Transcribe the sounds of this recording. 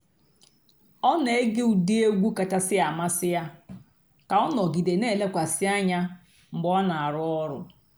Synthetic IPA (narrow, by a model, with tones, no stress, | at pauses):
ɔ˦ne˨e˦ɡɪ˦u˨di˦e˦ɡʷu˦ka˨ta˦sɪ˦a˨ma˦sɪ˦ja˦ | ka˨ɔ˦nɔ˨ɡi˨de˨ne˦˨le˦kʷa˨sɪ˦a˦ɲa˦ | m̩˨ɡ͡bɔ˦na˨a˨ɾʊ˦ɔ˦ɾʊ̰˨